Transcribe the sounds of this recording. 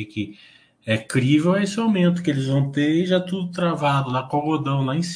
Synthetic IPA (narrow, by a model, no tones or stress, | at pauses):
ɪkɪ | ɛkɾivewɛesɪawmẽnt̪ʊ̥kɪelɪzvɐ̃w̃t̪eɾiʒat̪ud̪ʊt̪ɾavad̪ʊlɐkoɡod̪ɐ̃w̃laẽs